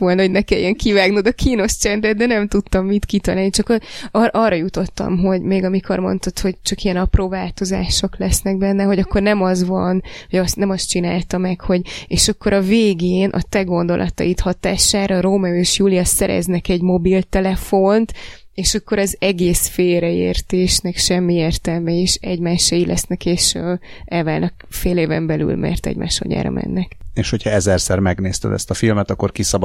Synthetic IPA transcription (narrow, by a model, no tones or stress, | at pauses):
ʋolnɒɦoɟnɛkɛjɛŋkʰivaːɡnod̪ɒkʰiːno̞st͡ʃɛnd̪ɛd̪̚d̪ɛnɛmt̪ut̪ːɒmːit̪kit̪ɒlaːlnit͡ʃɒkoɒʔɒːrːɒjut̪o̞t̪ːɒ̰mɦo̞ɟmeːɡɒmikʰo̞̰rmo̞̰nt̪ot̪ho̞ɟt͡ʃɒkijɛnɒproːvaːlt̪o̞za̰ːʃo̞klɛsnɛɡ̚bɛnːɛɦo̞ɟɒkːo̞rnɛmɒzvɒnoɟɒsnɛmɒst͡ʃinaːlt̪ɒmɛkho̞ɟeːʃɒkːo̞ɾɒveːɡeːnʔɒ̰t̪ɛɡo̞nd̪o̞̰lʔɒ̰t̪ɒ̰jit̪hɒt̪a̰ːʃaːɾɒɾoːmɒeːʃjuːliɒsɛɾɛ̰znɛkɛɟmo̞bilt̪ɛlɛfo̞nt̪ | eːʃɒkːo̞ɾɒzɛɡeːsfeːɾɛḛːrt̪eːʃnɛkʃɛmːieːrt̪ɛlmɛiʃɛɟmaːʃɛjilʔɛ̰snɛkeːʃɛlvaːlnɒk | feːleːvɛmbɛly̰lmʔɛ̰rt̪ɛ̰ɟmʔa̰ːʃho̰ɲa̰ːɾɒ̰mʔɛ̰nːɛkeːʃho̞chɒɛzɛrsɛrmɛɡneːst̪ɛ̰d̪ɛ̰st̪ɒfilmɛt̪ɒkːo̞rkisɒbɒ